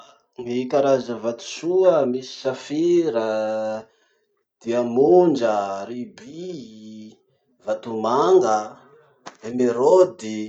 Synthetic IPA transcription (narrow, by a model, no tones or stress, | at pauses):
nikaɾazəvat̪u̥suəmisi̥safiɾə | d̪̥iamund͡ʒəɾibi | vat̪umaŋɡə | emeɾod̪i